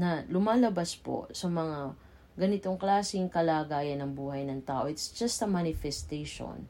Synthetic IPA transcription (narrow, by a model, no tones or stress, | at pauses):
nɐlʊmaːlɐbaspo̞̰sɐmɐŋa | ɡɐnɪt̪o̞ŋklaːsɪŋkɐlaːɡaːjɐnɐŋbuːhɐjnɐŋt̪aːʔo̞ʔɪt̪sd͡ʒɐst̪ɐmanɪfɛst̪ejʃo̰n